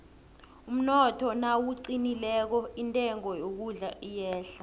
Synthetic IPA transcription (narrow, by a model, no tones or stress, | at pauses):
um̩nɔtʰɔnawuǀinilɛk̬ɔintʼɛŋɔjok̬uɮaʔijɛːɬa